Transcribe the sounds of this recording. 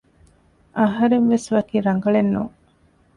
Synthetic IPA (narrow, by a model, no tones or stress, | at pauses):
ʔɐɦɐɾenʋesʋɐkiːɾɐŋɡɐɭenːuːŋ